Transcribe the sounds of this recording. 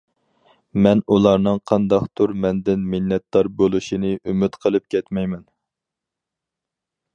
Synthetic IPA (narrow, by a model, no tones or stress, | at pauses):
mɛnulˠɑɾnɨŋqʰɑnd̪ɑqt̪ʰuɾmɛnd̪ɪnmɪnːɛt̪d̪ɑɾbolˠuʃinɨʔymyt̪qʰəlˠɨp̚kʲʰɛt̪mɛjmɛn